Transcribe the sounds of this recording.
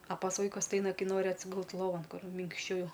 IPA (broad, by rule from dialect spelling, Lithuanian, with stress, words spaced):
ɐ pɐs ˈʋɐɪkʊs tʲɪ ˈɐɪnɐ ˈkɐɪ ˈnoːrʲɪ ɐtʲsʲɪˈɡʊlˠt lˠoːˈʋɐn ˈkʊr mʲɪŋkʃʲˈt͡ʃʲɛʊ